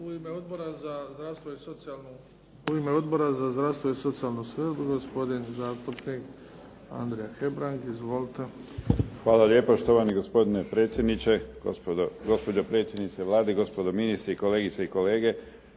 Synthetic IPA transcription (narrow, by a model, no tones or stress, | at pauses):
uimeod̪̚boɾazazd̪ɾast̪ʋo̞isot̪sialnu | uime̞o̞d̪bo̞ɾazazd̪ɾaʋst̪ʋo̞iso̞t̪sijalˠnuskbuɡospo̞d̪inzaːst̪upnik | a̰nd̪ɾejaxe̞bɾaŋɡizʋo̞lit̪e̞xʋaːlaljepoʃt̪oʋaniɡo̞spo̞d̪inepɾe̞ːt̪sʲjed̪nit͡ʃepd̪oɡo̞spo̞d͡ʒopɾe̞ːt̪sjd̪nit̪seʋlaːd̪eɡo̞spod̪ominist̪ɾeiko̞leːɡit̪seiko̞leːɡe̞